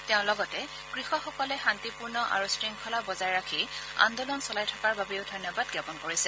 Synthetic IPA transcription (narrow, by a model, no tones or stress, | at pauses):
tɛʊ̃lɔɡɔtɛ | ɡ̥ɹixɔxɔkɔlɛxantipuɹnɔʔa̰ɹusɹiŋkʰɔlabɔzaɹɹakʰia̰ndɔlɔnsɔlajtʰɔkaɹbabɛjʊdʱɔjnjɔbadɡjapɔnkoɹisɛ